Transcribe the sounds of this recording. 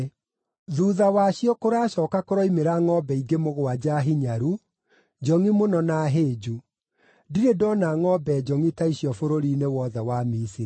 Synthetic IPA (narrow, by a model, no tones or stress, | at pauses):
ðuːðawaɕjɔkoɾaːɕɔːkakoɾɔimeɾaŋɔbɛiɡemoɣoad͡ʑaɦiɲaɾu | d͡ʒɔŋimonɔnaɦeːd͡ʒu | diɾedɔnaŋɔbɛd͡ʒɔŋitaiɕiɔfoɾoɾinewɔðɛwamisiɾi